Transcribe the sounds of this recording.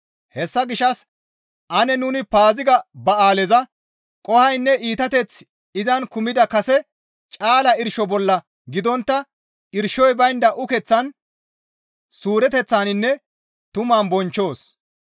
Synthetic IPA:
hɛsːɐɡɪʃːɐs | ʔɐnɛnʊnɪpaːzɪɡɐbɐaːlɛzɐ | kʼɔhɐjnːɛʔiːt̪ɐt̪ɛt͡s | ɪzɐnkʊmɪd̪ɐkɐsɛ | t͡ʃʼaːlɐɪɾʃɔbɔlːɐ | ɡɪd̪ɔnt̪ːɐ | ɪɾʃɔjbɐjnd̪ɐʔʊkɛt͡sːɐn | suːɾɛt̪ɛt͡sːaːnɪnːɛ | t̪ʊmaːnbɔnt͡ʃːo̞ːs

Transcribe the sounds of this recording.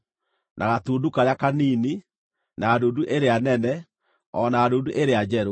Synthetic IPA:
nʔaɣatuːdukaɾeakaniːni | naːdoːduʔeɾeanɛnɛ | ɔnaːdoːduʔeɾead͡ʑɛɾo

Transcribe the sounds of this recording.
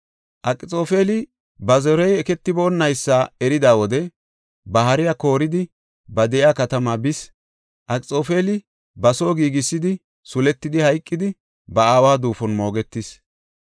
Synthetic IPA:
ʔɐkʼɪt͡sʼo̞ːfe̞ːlɪ | bɐzɔɾɔjɛkɛt̪ːɪbo̞ːnːɐjsːaːɛɾɪd̪aːwɔd̪ɛ | bɐɦɐɾɪjako̞ːɾɪd̪ɪ | bɐd̪ɛʔɪaːkɐt̪ɐmaːbɪs | ʔɐkʼɪt͡sʼo̞ːfe̞ːlɪ | bɐso̞ːɡiːɡɪsːɪd̪ɪ | sʊlɛt̪ːɪd̪ɪhɐjkʼːɪd̪ɪ | bɐaːwaːd̪uːfɔnmo̞ːɡɛt̪ːɪs

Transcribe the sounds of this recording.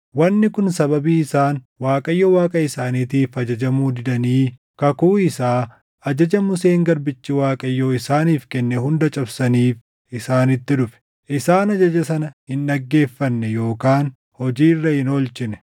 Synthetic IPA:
wɐnːɪkʊnsɐbɐbiːɪsaːn | waːkʼɐjːɔwaːkʼɐɪsaːniːt̪iːfɐd͡ʒɐd͡ʒɐmuːd̪ɪd̪ɐniː | kɐkuːɪsaː | ɐd͡ʒɐd͡ʒɐmʊseːŋɡɐɾbɪt͡ʃːɪwaːkʼɐjːoɪsaːniːfkɛnːɛhʊnd̪ɐt͡ʃʼɐbsɐniːf | ɪsaːnɪt̪ːɪᶑʊfɛ̥ | ʔɪsaːnɐd͡ʒɐd͡ʒɐsɐnɐhɪnːɐɡːe̞ːfːɐnːɛjo̞ːkaːn | hɔd͡ʒiːrːɐhɪnɔlt͡ʃɪnɛ̥

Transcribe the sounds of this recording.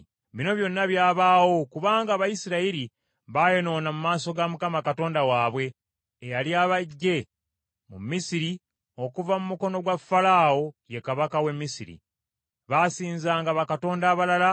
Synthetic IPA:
βino̞βjo̞nːaβjaːβaːwo̞kuβaːŋɡaːβajisiɾaiɾi | βaːjo̞no̞ːnamumaːso̞ɡamukamakato̞ːndawaːβwe̞ː | jaljaːβaɟːe̞ | mṵmːisiɾi | o̞kuvamumuko̞no̞ɡwafːalaːo̞je̞kaβakawe̞mːisḭɾḭ | βasiːnzaːŋɡaβakato̞ːndaːβalala

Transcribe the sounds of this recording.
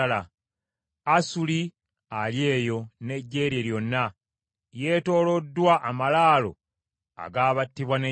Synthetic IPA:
la | asuli | alje̞ːjo̞ne̞ɟːe̞ːɾjeljo̞nːa | je̞ːto̞ːlodːwaʔamalaːlo̞̰ | a̰ɡaːβatːiβwane

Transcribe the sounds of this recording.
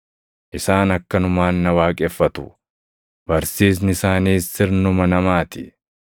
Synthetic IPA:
ʔɪsaːnɐkːɐnʊmaːnːɐwaːkʼɛfːɐt̪ʊ | b̥ɐɾsiːs̬nɪsaːniːsɪɾnʊmɐnɐmaːt̪ɪ

